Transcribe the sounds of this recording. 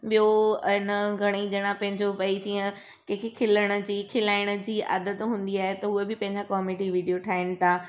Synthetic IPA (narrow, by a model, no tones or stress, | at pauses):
ɓijoɪnəɡʱɐɽ̃iɗɐɽ̃ãpɐ̃ɦɪ̃ɲd͡ʑopɐid͡ʑiːə̃ | kɐ̃ːkʰekʰɪləɽ̃ə̆d͡ʑiːkʰɪlaːɪɽ̃ə̆d͡ʑiːʔɐ̰d̪ət̪ɦũːn̆d̪iaːɦet̪ɐɦuebɪpɐ̃ɦɪ̃ɲd͡ʑakɔːmeːɖiʋiːɖijoʈʰaːɦɪnɪ̆t̪ʰaː